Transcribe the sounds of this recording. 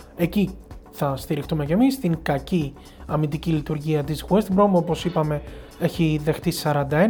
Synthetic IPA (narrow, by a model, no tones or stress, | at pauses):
e̞ciθɐst̪iɾixt̪ume̞ce̞mist̪iŋkɐci | ɐmind̪icilit̪uɾʝiɐt̪izɣuest̪ibɾo̞mopo̞sipɐme̞e̞çiðe̞xt̪isɐɾɐnd̪ɐe̞